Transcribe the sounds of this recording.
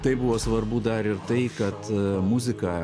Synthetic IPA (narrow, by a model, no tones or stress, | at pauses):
t̪ɐɪbuʋoːsʋɐrbud̪ɐɾɪɾt̪ɐɪkɐt̪mʊzʲɪkɑː